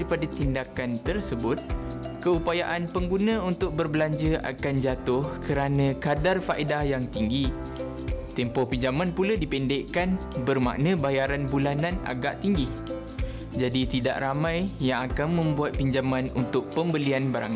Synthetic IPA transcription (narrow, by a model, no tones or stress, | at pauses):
ɾipadat̪indakant̪ərsəbʊt̪̚kəupajaʔanpəŋɡunãunt̪ʊk̚bərbəlaɲd͡ʒəʔa̰kand͡ʒat̪ʊhkəɾanə̃kadarfaʔidahjaŋt̪iŋɡi | t̪ɛmpɔhpiɲd͡ʒamãnpuladipɛndɛʔkanbərmã̰ʔnə̃bajaɾanbulanãna̰ɡaʔt̪iŋɡi | d͡ʒadit̪ida̰ʔramãjjaŋakanmə̃mbuat̪̚piɲd͡ʒamãnṵnt̪ʊk̚pəmbəlianbaɾa̰ŋ